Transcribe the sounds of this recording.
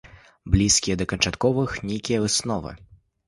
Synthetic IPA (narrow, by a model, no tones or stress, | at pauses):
blʲiskʲijɐd̪ɐkɐnt͡ʂat̪kɔvɨxnʲejkʲijɐɨsnɔvɨ̰